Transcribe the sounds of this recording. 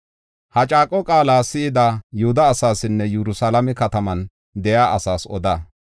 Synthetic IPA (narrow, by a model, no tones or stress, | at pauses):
hɐt͡ʃʼaːkʼːɔkʼaːlaːsɪɪd̪ajʊhʊd̪ɐːsaːsɪnːɛjɛɾʊsalɐmɛkɐt̪ɐmɐn | d̪ɛjaːʔɐsaːsɔ̰d̪a